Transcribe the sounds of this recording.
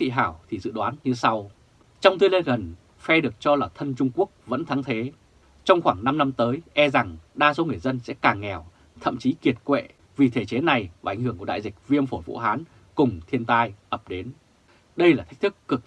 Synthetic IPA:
t̪ʰḭ˧˨ɦaː˧˩wt̪ʰi˨˩zɨ̰˧˨ɗwaː˨˦nɲɨ˧sa˧w | t͡ɕɔ˧wŋ͡mt̪ɨ˧le˧nɣə˨˩n | fɛ˧ɗɨ˨˩ək̚t͡ɕɔ˧laː˨˩t̪ʰə˧nt͡ɕʊ˧ŋ͡mku˦˥ək̚və̰˧˥nt̪ʰa˨˦ŋt̪ʰe˨˦ | t͡ɕɔ˧wŋ͡mxwaː˧˩ŋna˧mna˧mt̪əː˨˦jʔɛ˧za˨˩ŋɗaː˧so˨˦ŋɨ˨˩əjzə˧nsɛ̰˧˥kaː˨˩ŋːɛ˨˩w | t̪ʰə̰˧˨mt͡ɕi˨˦ki˨˩ət̚kwḛ˧˨ | vi˨˩t̪ʰe˧˩t͡ɕe˨˦na˨˩jvːʔa̰˨˧˩ŋhɨ˧˩əŋkɗa̰ː˧˨jzï˨˩k̟̚vi˧əmfo˧˩jvṵ˧˥ɦaː˨˦n | kʊ˨˩ŋ͡mt̪ʰi˧ənt̪aː˧jʔə˨˩p̚ɗe˨˦n | ɗə˧jlaː˨˩t̪ʰi˦˥k̟̚t̪ʰɨ˦˥kːɨ˨˩k̚

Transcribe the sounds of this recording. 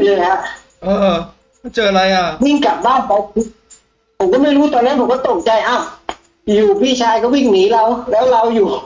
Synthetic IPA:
lɤː˧˩jha˧˥ʔ | ʔɤː˧˩˧ | t͡ɕɤː˧˩˨ɾa˧jʔa˧˩wi˧˥˩ŋka˨˩p̚ɓaː˥˩npʰa˨˦wp̚ʰ | pʰo˨˩˦mkɔ˧˥˩ma˥˩jɾuː˦˥t̪ɔː˧na˧˦˥npʰkɔː˧˥˩t̪o˨˩ŋ̚t͡ɕa˧jʔaː˧˩w | juː˨˩biː˧˥˩t͡ɕʰaː˧jkɔː˧˥˩wi˧˥˩ŋniː˨˩˦la˧wlɛː˦˥wla˧wjuː˨˩

